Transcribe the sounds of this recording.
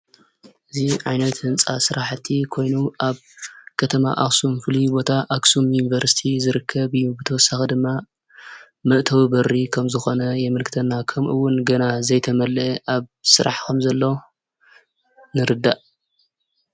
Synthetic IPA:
ʔɨziʕajnɐt̪hɨnt͡sʼa̰sɨɾaħt̪ʰːikʰo̞jnuʔaβ | kʰɐt̪ʰɐma̰ʔaksumfɨlibo̞t̪ʰaʔaksumjunivɐɾsi̥t̪ʰizɨɾɨkʰːɐbɨjːubɨt̪ʰɐwɔsːaxɐd̪ɨmːa | mɐʔt̪ʰɐwibɐrːikʰɐmzɨxo̞nɐjɛmɨlkʰɨt̪ʰɐnːakʰɐmʔɨwːʊnɡɐnazɐjt̪ʰɐmɐlːʔaβsɨɾa̰ħkʰɐmzɐlːo | nɨɾɨd̪ːaʔ

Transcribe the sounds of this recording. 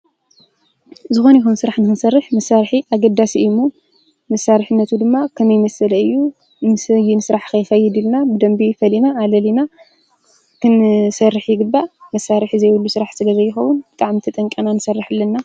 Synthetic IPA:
zɨxo̞nɐjkumsɨɾaħnɨxɨnsɐrːɨħmɐsːaɾħiʔaɡɐd̪asiʔɨmːo | mɐsaɾħɨnːɐt̪ʰud̪ɨmːakʰɐmɐjmɐsɐlɐɨjːu | sjinɨsɨɾaħkʰɐjxɐjːɪd̪ilnabɨd̪ɐmbifɐlinaːlɐlina | kɨnsɐrːɨħjɪɡɨbːamɐsːaɾɨħizɐjwulːusɨɾaħsɨlɐzɐjɪxɐwʊnbɨt̪ʼaʕmit̪ʰɐt̪ʼɐŋkʼɐnanɨsɐrːɨħɨlːɐnːa

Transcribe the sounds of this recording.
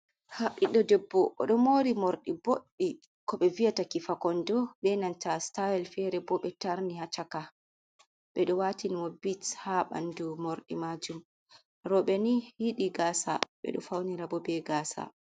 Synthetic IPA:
haɓiɗɔdɛbːɔʔɔ̰ɗɔmoɾimoɾɗiboɗːi | kɔɓɛvijatakifakɔndɔɓɛnantastajɛlfɛɾɛbɔɓɛtaɾnihat͡ʃaka | ɓɛɗɔwatiniwobishaɓa̰ndumoɾɗḭmad͡ʒum | ɾɔɓɛnihiɗiɡaːsa̰ɓɛ̰ɗɔ̰fawniɾabɔbɛɡaːsa̰

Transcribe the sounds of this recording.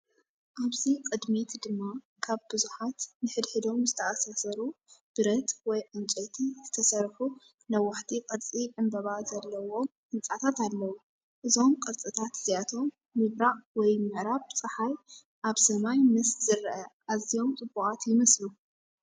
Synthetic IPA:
ʔaβzikʼɨd̪mit̪d̪ɨmːa | kʰaβbɨzuħat̪nɨħɨd̪ħɨd̪o̞mzɨt̪ʰɐʔasasɐɾub̥ɨɾɐt̪wɔjʕɨnt͡sʼot̪ʰiz̥ɨt̪ʰɐsɐɾħu | nɐwaħt̪ʰikʼɐɾt͡sʼiʕɨmbɐβazɐlːɐwo̞mʔɨnt͡sʼat̪ʰat̪alːɐwu | ʔɨzo̞mkʼɐɾt͡sʼɨt̪ʰat̪z̥ijat̪ʰo̞mː | ɨβɾaʔwɔjmɨʕɾaβt͡sʼɨħaj | ʔaβsɐmajmɨszɨɾʔɐʔazio̞mt͡sʼɨbːukʼat̪jɪmɐslu

